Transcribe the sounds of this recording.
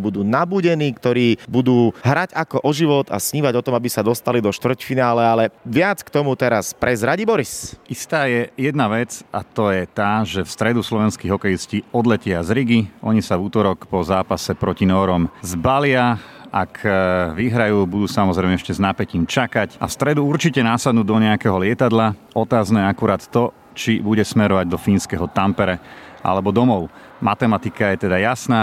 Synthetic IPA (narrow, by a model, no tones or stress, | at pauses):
bud̪uːnabuːɟɛniːkt̪ɔɾiːbud̪uːɦɾaɟakɔʔɔʒiʋɔt̪a̰sɲiːʋaɟɔt̪ɔmabisad̪ɔst̪alid̪ɔʃt̪ʋr̩cfinaːlɛalɛʋɪat͡skt̪ɔmut̪ɛɾaspɾʔɛzɾaɟibɔɾisʔist̪aːjɛjɛd̪naʋɛt͡sa̰t̪ɔjɛt̪aːʒɛfst̪ɾɛd̪uslɔʋɛnskiɣɦɔkɛjisciːɔd̪lɛcɪazɾiɡiʔɔ̰ɲisavuːt̪ɔɾɔkpɔzaːpasɛpɾɔcinɔːɾɔmzbalɪaakʰʋiɦɾajuːbud̪uːsamɔzɾɛɪmɛɛʃcɛznapɛciːmt͡ʃakaca̰fst̪ɾɛd̪uuɾt͡ʃicɛnasad̪nuːd̪ɔɲɛakɛɦɔlɪɛt̪ad̪la | ɔt̪aːznɛɛakuɾaːt̪ːɔ | t͡ʃibuɟɛsmɛɾɔʋaɟ̚d̪ɔfiːnskɛɦɔt̪ampɛɾɛʔa̰lɛbɔd̪ɔmɔʊ | mat̪ɛmat̪ikajɛt̪ɛd̪ajasnaː